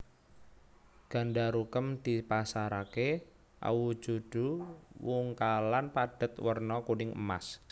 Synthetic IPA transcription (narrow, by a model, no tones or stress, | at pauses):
ɡ̥a̤nɖaɾukəmd̪̥ipasaɾake | ʔa̰wu̥d͡ʒ̥ud̥uwuŋkalanpad̥ə̤t̪wərnɔkunɪŋə̰ma̰s